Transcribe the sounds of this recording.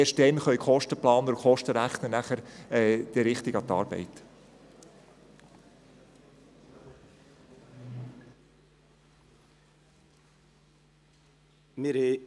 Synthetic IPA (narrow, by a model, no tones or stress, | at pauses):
eʃtɛnχœɥkʰχɔʃtəplɑːnəukχɔʃtəɾæχnənæχəɾɛːd̥iɾɪχt̪iɡɑt̪ɑ̰ːɾb̥ɛ̰ɪt | mɪɾhe